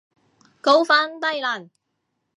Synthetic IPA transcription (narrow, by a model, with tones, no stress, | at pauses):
ko˥wfaː˥nt̪ɐ˥jlaː˨˩n